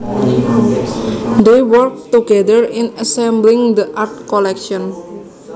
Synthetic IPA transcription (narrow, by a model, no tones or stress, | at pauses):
d̪ewəɾk̚t̪uɡɛd̪əɹɪnəsɛ̃mblɪ̃ŋd̪əʔart̪̚kɔlɛkʃɔn